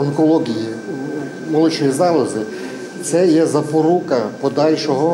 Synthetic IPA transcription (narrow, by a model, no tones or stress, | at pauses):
ɔŋkɔlˠɔɡʲiji | mɔlˠɪt͡ʃnʲijizɑlˠɐzɪ | wsɛjɛzɐpɔɾukɐpɔd̪ɑlʲʃɔɦɔ